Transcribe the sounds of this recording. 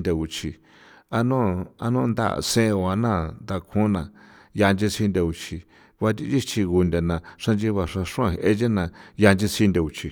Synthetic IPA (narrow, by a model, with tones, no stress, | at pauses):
nd̪a˧u˨t͡ʃʰi˧ | a˧nũ˦a̰˧nũ˦˧nd̪a̰˦˧˨sẽ˦˧o˧˨a˧nã˦˨nd̪a˧kʰũ˦nã˧ | ja˧nd͡ʒi˧si˧nd̪ʲa˧u˧t͡ʃʰi˧ | βa˧t̪̬ʲi˧t͡ʃi˦t͡ʃi˧ɣu˧nd̪ʲa˨nã˨ʂã˧nd͡ʒi˦˧βa˧ʂã˧ʂũ˦ã˧˨˧ʔe˧˦d͡ʒe˦nã˧˨ja˧nd͡ʒi˦˧si˧nd̪a˧u˨t͡ʃʰi˧